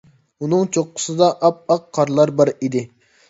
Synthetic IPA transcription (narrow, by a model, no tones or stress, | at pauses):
unɨŋt͡ʃʰoqːʊ̥sɨd̪ɑʔɑp̚ɑqːʰɑɾlˠɑɾbɑɾid̪ɪ